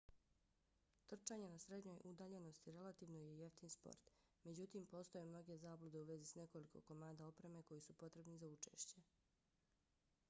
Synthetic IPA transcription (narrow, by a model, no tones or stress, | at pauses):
t̪r̩t͡ʃaɲe̞nasɾe̞d̪ɲo̞jʔud̪aːʎe̞no̞st̪iɾe̞lat̪iːʋno̞je̞je̞ft̪inispo̰ɾt̪ | me̞d͡ʑut̪iːmpo̞ːst̪o̞jemno̞ɡe̞zaːblˠud̪e̞uʋe̞zisne̞ko̞likʰo̞̰ko̞maːd̪ao̞pɾe̞me̞ko̞jisupo̞t̪ɾe̞bnizaut͡ʃe̞̰ːʃt͡ɕe̞